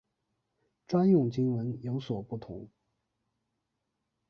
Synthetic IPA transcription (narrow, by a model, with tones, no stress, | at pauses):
ʈ͡ʂwa˥njʊ˥˩ŋt͡ɕi˥nwə˧˥njo˧˥ʊswɔ˨˩pu˥˩t̪ʰʊ̰˧˥ŋ